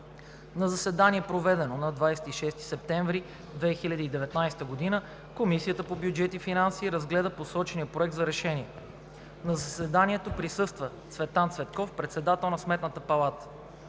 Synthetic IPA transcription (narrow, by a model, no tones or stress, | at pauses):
nɐzɐsɛd̪aniɛpɾovɛd̪ɛnonɐd̪vajsɛ̥t̪iʃɛst̪i̥sɛp̚t̪ɛ̃ɱvɾi | d̪vɛxilʲɐd̪iːd̪ɛvɛt̪najst̪əɡod̪inə | komisiət̪əpobjud͡ʒɛt̪ifinansiːɾɐzɡlɛd̪əposɔt͡ʃɛniəpɾoɛk̚t̪zɐɾɛʃɛniɛ | nɐzɐsɛd̪anʲiɛt̪opɾisɤst̪vət̪svɛt̪ant̪svɛt̪kɔfpɾɛt̪sɛd̪at̪ɛlˠnɐsmɛt̪nət̪əpɐlˠat̪ə̥